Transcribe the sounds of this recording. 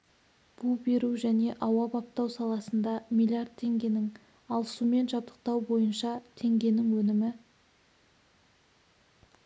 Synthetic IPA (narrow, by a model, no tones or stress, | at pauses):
b̥ube̞ɾuʒæne̞ʔɑwɑbɑp̚t̪ɑwsɑlˠɑsənd̪ɑmʲilʲijard̪̚tʰːe̞ŋɡʲe̞nɪŋ | ɑlˠsume̞nʒɑpt̪ə̥q̚t̪ɑwbo̞jənʃɑt̪ʰe̞ŋɡʲe̞nɪŋwɵnɪmɪ